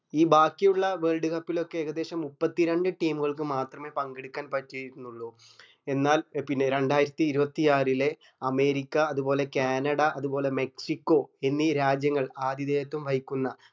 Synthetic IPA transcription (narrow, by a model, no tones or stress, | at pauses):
iːbaːkːijuɭːɐʋe̞ːɭɖɨkɐpːilo̞kːe̞ːɣɐd̪e̞ːɕɐmːupːɐt̪ːiɾeɳɖɨʈiːmuɣɐɭkɨmaːt̪rɐme̞ːpɐŋɡeɽukʲːaːnpɐtːijunːuɭːu | e̞nːaːlpinːe̞ɾe̞ɳɖaːjiɾɐt̪ːiːɾubɐt̪ːijaːrile̞ | ɐme̞ːɾikʲːɐɐðubo̞ːle̞kaːnɐɽɐʔɐðubo̞ːle̞me̞ksikːo̞e̞nːiɾaːd͡ʑjɐŋːɐɭaːd̪ʱjiðeːjɐt̪ːumʋʱɐjikʲːunːɐ